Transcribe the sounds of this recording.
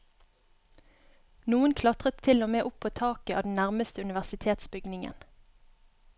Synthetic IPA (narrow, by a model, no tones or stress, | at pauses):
nuːənkʰlɑt̪ʁət̪ʰɪlomeːʔʊpʰoːt̪ʰɑːkəɑːd̪n̩næʁməst̪əʉnɪʋæʁsɪt̪ʰeːt̪sbʏɡnɪŋə̰n